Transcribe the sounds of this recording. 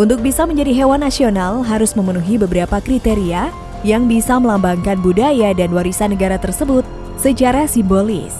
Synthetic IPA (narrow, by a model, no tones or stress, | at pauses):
ʔunt̪ʊk̚bisaməɲd͡ʒadiɦewanːasionalɦaɾʊsməmənuɦibəbəɾapakɾit̪eɾia | jaŋbisaməlambaŋkanbudajadanwaɾisanəɡaɾat̪ərsəbʊt̪̚ | sət͡ʃaɾasimbolɪ̰s